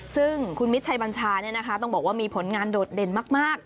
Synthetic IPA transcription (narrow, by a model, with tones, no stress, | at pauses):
sɯ˥˩ŋkʰu˧nmi˦t̪̚t͡ɕʰa˧jba˧nt͡ɕʰaː˧ni˥˩ɐna˦˥kʰa˦˥t̪̬ɔ˥˩ŋbɔː˨˩k̚waː˥˩miː˧pʰo˩˦nŋaː˧ndoː˨˩t̪̚de˧˩nmaː˥˩k̚maː˥˩k̚